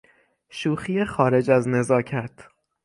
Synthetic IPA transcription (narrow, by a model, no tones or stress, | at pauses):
ʃuːxijexɒːɾe̞d͡ʒæzne̞zɒːcʰæt̪ʰ